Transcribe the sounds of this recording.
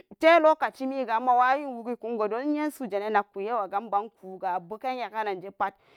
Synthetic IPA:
te˦lo˦ka˨t͡ʃi˦mi˦ɡa˨˦mːa˦˨wa˦ji˦nwu˨ɡi˦ku˦nɡo˨do˦n˦je˦n˦su˨d͡ʒe˨ne˦na˨ku˨je˦wa˨ɡa˦mba˦nku˨ɡa˨bu˦ka˦n˦ja˨ka˦na˨nd͡ʒe˦pa˦t̚

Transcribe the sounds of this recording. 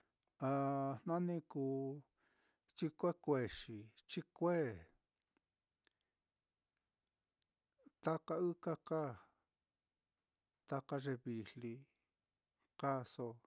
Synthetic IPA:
a˨˧nã˦nĩ˧kuː˧ | t͡ʃi˧kʷe˦kʷe˧ʂi˨t͡ʃi˦kʷe˦˨ | t̪a˦ka˧ɨ˦ka˦ka˦˨ | t̪a˧ka˧ʐe˧βi˧li˧ | ka˦so˧

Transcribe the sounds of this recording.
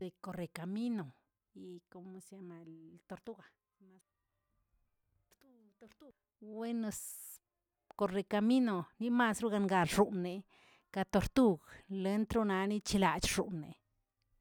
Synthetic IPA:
e˧ko˧ɾe˨ka˨mi˦no˨ | i˧ko˧mu˧sja˧ma˧lt̪o˧ɾt̪u˦ɡa˨˧ | ma˧ | ɾt̪u˧ | t̪o˧ɾt̪u˦ | we˦ne˧s | ko˧ɾe˧ka˧mi˦no˨ni˦ma˧sɾu˦ɡa˧ŋɡa˧lʐu˧nːe˧ | ka˧t̪o˧ɾt̪u˦ɡle˧˦nt̪ɾo˦˧na˧˦ni˦t͡ʃi˧la˧t͡ʃʐ̥u˨ʔnːḛ˨

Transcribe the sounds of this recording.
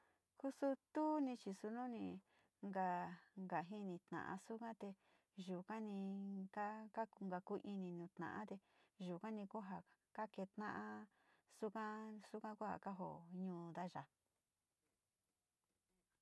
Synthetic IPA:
ku˦su˦t̪u˦nĩ˧t͡ʃi˧su˧nũ˦nĩ˧ | ŋɡa˧˨ŋɡa˨ɦi˦nĩ˧t̪nã̰˨ʔã̰˧su˦kã˦t̪e˧ | ʒu˨kã˦nĩ˧ka˦ka˦˧ŋɡa˧ku˧˦ʔi˧nĩ˧nũː˨˧t̪nã̰˨ʔã̰˦t̪e˧ʒu˨kã˦nĩ˧ku˦ɦa˧ka˦ke˧t̪nã˦ʔã˦ | su˦kã˦su˦kã˦ku˦ha̰˨ka˦ɦo˨ɲũː˧d̪a˦ʒa˨

